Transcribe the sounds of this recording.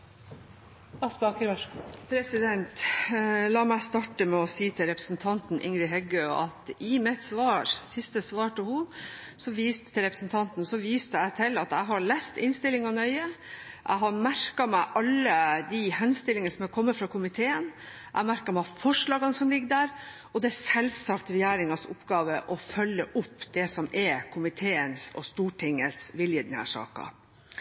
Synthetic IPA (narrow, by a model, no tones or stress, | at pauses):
ɑspɑkəpʰɾɛsɪd̪ɛnt̪ | lɑːmæɪst̪ɑʈəmɛɔsiːt̪ʰɪlɾɛpɾə̥snt̪ʰɑnt̪n̩ʔɪ̰ŋɾɪɦɛɡøɑ̰t̪ɪmɛt̪sʋɑːɾsɪst̪əsʋɑːʈəhʊ | sɔʋiːst̪t̪ʰːɪlɾɛpɾəsn̩t̪ʰɑnt̪n̩sɔʋiːst̪əæɪt̪ʰɪlɑt̪æɪɦɑɾɭæst̪ɪnst̪ɪlːɪŋɑnœʏəʔæ̰ɪɦɑɾmæɾkɑmæɪʔɑlːəd̪ihɛnst̪ɪlːɪŋənəsɔmækʰɔmːəfɾɑkʰʊmɪt̪ʰeːən | ʔæ̰ɪmæɾkɑmæfɔʂɭɑːɡɑnəsɔmlɪɡəd̪æːɾʔɔd̪ɛæsɛlsɑkt̪ɾɛjæːɾɪŋɑsʊ̰pːɡɑːʋəʔɔfœlːəʔʊpːd̪̥ɛsɔmɛkʰʊmɪt̪ʰeːənsɔ̰st̪uːʈʰɪŋːəsʋɪljəd̪nhæ̰ːʂɑ̰ːkɑ̰